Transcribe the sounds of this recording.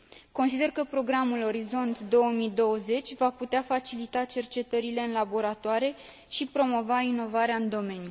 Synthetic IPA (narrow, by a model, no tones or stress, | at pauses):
ko̞nsid̪e̞rkəpɾo̞ɡɾamulo̞ɾizo̞nt̪d̪o̞wəmid̪o̞wəze̞t͡ʃʲvaput̪eafat͡ʃilit̪at͡ʃe̞rt͡ʃe̞t̪əɾile̞ɨnlabo̞ɾat̪oaɾe̞ | ʃipɾo̞mo̞vaino̞vaɾeaɨnd̪o̞me̞nju